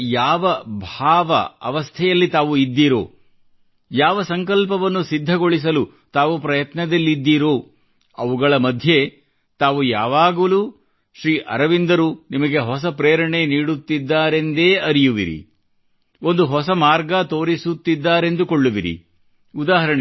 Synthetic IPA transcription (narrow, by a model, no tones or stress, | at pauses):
jaːʋɐbʱaːʋɐ̰ɐ̰ʋɐst̪ʰɛjɐlːit̪aːʋuid̪ːiːɾo̰ː | jaːʋɐsɐŋkɐlpɐʋɐnːusid̪ʱːɐɡoɭis̬ɐlu | t̪aːʋupɾɐjɐt̪nɐd̪ɐlːid̪ːiːɾoː | ɐʋuɡɐɭɐmɐd̪ʱje̞ | t̪aːʋujaːʋaːɡulu | ʃɾiːʔɐɾɐʋind̪ɐɾunimɐɡe̞ɦɔsɐpɾeːɾɐɳeniːɽut̪ːid̪ːaːɾe̞nd̪e̞ːɐɾijuʋḭɾḭ | o̞nd̪uɦɔsɐmaːɾɡɐt̪o̞ːɾisut̪ːid̪ːaːɾe̞nd̪ukoɭːuʋiɾḭ | ud̪aːɦɐɾɐɳe